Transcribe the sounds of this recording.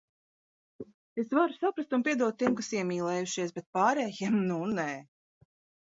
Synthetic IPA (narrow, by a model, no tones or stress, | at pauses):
esvaɾusapɾast̪unpiɛd̪uɔt̪ʲːiɛmkasiɛmʲiːlˠɛːjuʃiɛsbet̪̚paːɾɛːjɛmnunɛ